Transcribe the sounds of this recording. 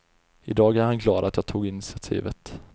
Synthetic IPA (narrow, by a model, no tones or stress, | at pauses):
ɪd̪ɑːɡæɾhanklɑːd̪at̪jɑːɡ̚t̪ʰuːɡɪnɪsɪat̪ʰḭːvət̪